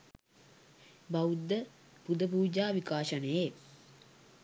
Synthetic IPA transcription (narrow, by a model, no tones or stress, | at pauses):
baud̪ːə | pud̪əpuːd͡ʒaːʋikaːʃənəje